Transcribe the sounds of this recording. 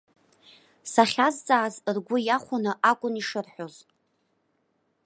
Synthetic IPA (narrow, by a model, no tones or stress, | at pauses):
saχʲazt͡sʼaːzrɡʷʊjaχʷʊnɨʔakʷʼʊniʂɨrħoz̥